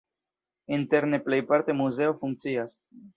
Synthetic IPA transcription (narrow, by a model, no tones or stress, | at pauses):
int̪eɾneplejpaɾt̪emuzeofuŋk̪̚t͡sias